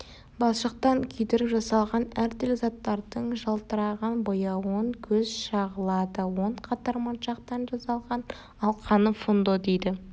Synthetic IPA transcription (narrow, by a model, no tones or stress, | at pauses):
bɑsʃəq̚t̪ɑŋkʲʰɵjd̪eɾɪpʒɑsɑlˠʁɑnæɾt̪ɵlɪzɑt̪ːɑɾd̪əɴʒɑlˠt̪əɾɑʁɑnbojɑwoɴkʲʰɵzʃɑʁəlˠɑd̪əwo̞ɴqʰɑt̪ɑɾmɑnʃɑqt̪ɑnʒɑsɑlˠʁɑn | ɑlˠqʰɑnəfond̪od̪ejd̪ɪ